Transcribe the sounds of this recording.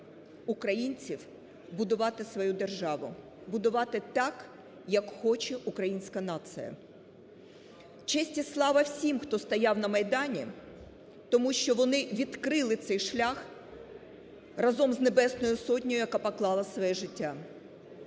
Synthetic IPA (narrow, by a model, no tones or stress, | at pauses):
ukɾɐjinʲt͡sʲiw | bʊd̪ʊʋɑt̪ɪsʋɔjud̪e̞rʒɑʋʊ | bʊd̪ʊʋɑt̪ɪt̪ɑk | jɐkxɔt͡ʃɛʔukɾɐjinʲsʲkɐnɑt̪sɨ̰jɐ̰ | t͡ʃɛsʲtʲislˠɑʋɐwsʲimxt̪ɔst̪ɐjɑwnɐmɐjd̪ɑnʲi | t̪ɔmuʃt͡ʃɔʋɔnɪʋʲid̪kɾɪlˠɪt̪sɛjʃlʲɑx | rɐzɔmznebɛsnɔjʊsɔtʲnʲɔjʊjɐkɑpɐklˠɑlˠɐsʋɔjɛʒɪtʲːa